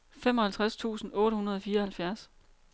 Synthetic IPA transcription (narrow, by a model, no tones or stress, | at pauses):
fem̰ɒ̽hælt͡sʰʁast͡sʰṵːsn̩ɔ̽ːɾəhunɐð̞ˠɒ̽fiːɐhælfjæɐs